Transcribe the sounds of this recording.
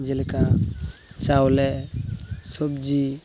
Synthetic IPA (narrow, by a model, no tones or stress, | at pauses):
d͡ʒilka | sawlɛ | sɔbd͡ʒi